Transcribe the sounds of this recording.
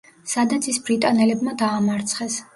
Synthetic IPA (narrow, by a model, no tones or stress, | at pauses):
sad̪at̪sʰisbɾit̪ʼanɛlɛbmad̪aːmaɾt̪sʰχɛs